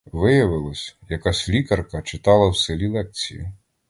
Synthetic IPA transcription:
ʋɪjɐʋɪlˠɐsʲjɐkasʲlʲikɐrkɐt͡ʃɪt̪ɑlˠɐwselʲilˠɛk̚t͡sʲijḭ

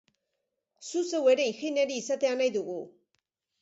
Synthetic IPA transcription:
suse̞we̞ɾe̞ixineɾiːsat̪e̞anajðuɣu

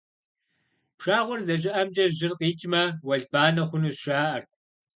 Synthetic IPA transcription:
pʂaːʁʷʊrzɐʒ̬ɪʔɐmd͡ʒʼɐʒɪrqiːt͡ʃʼmɐwɐɮbaːnɐχʷʊnuzʃʷaːʔɐrt̚ʰ

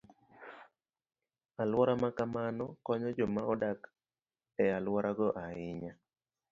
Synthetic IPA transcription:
alwɔɾamakamanɔkɔɲɔd͡ʒɔmaɔdak | ɛalwaɾaɡɔʔaɪɲa

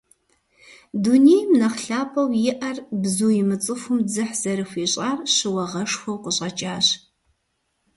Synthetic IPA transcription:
dunijmnɐχɬaːpʰʼɐwjɪʔɐrbzuːjɪmɨt͡sʼɨfʷʊmd͡zɨħz̥ɐɾɨxʷiːɕʼaːrɕɨwɐʁɐʂxʷɐwqəɕʼɐt͡ʃʼaːɕ

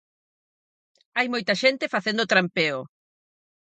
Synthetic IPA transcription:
ajmojt̪ɐʃent̪efaθẽnd̪ot̪ɾampeo

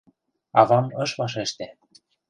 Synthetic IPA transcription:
ɑvɑmɤ̆ʃβɑʃ̬eʃt̪ĕ

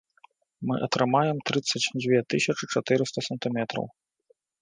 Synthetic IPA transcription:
mɨʔɐt̪ɾɨmajɛmt̪ɾɨt̪sːɐt͡sʲd͡zʲvʲɛt̪ɨsʲɐt͡ʂɨt͡ʂat̪ɨɾɨst̪ɐsɐnt̪ɨmʲɛt̪ɾɐ̰w

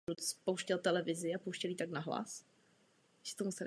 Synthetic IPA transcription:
ut̪spo̞wʃcɛlt̪ɛlɛvɪzɪapowʃcɛliːt̪aknaɦla̰s | sɛ̥t̪omusɛl

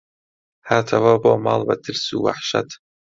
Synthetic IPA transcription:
haːt̪ʰawaːboːmɑ̰ːlˠbɐt̪ʰɨɾsuwa̰ħʃa̰t̪

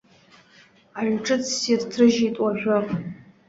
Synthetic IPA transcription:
aʒʷᶣʈ͡ʂʼɨt͡sʰsirtʰrɨʒitʼwaʒᶣapʼ

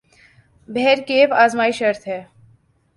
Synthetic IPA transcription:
bʱɛɦɾkeːpaːzmaːiʃɐɾt̪ʰɦɛː

